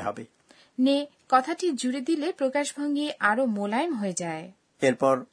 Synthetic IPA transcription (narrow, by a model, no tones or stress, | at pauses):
ɦɔ̰be | nekɔt̪ʰaʈid͡ʑuɽed̪ilepɾokaʃbʱoŋɡiʔaɾomolajnɦoed͡ʑae | eɾpɔɾ